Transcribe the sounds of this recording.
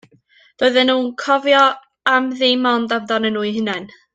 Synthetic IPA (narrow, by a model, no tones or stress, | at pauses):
d̥oːɨðɛnuːnkʰɔvjɔ | amðemɔndavdɔnɛnuːɨɦənɛn